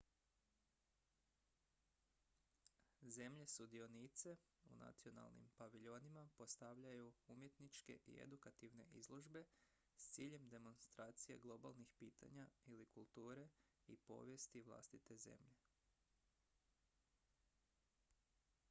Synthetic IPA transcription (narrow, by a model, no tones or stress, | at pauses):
ze̞mʎe̞sud̪io̞niːt̪se̞ | ṵna̰t̪sio̞na̰lˠnḭmpaʋiʎo̞nimapo̞st̪aʋʎajuumje̞t̪nit͡ʃke̞̰ʔḭḛd̪ukat̪iʋne̞̰ʔizlˠoʒbe̞ | st̪siːʎe̞md̪e̞mo̞nst̪ɾaːt̪sije̞̰ɡlˠo̞balˠnixpiːt̪a̰ɲailikulˠt̪uːɾe̞ | ḭpo̞̰ːʋje̞st̪iʋlˠa̰st̪it̪e̞ze̞̰mʎe̞